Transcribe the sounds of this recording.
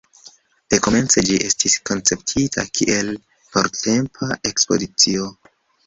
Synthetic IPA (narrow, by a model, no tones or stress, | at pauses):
d̥e̞ko̞me̞nt͡se̞d͡ʒiʔe̞stisko̞nt͡se̞ptʰitʰa̰kʰiʔe̞l | po̞ɾte̞mpʰaʔe̞kspo̞̰zit͡sio̞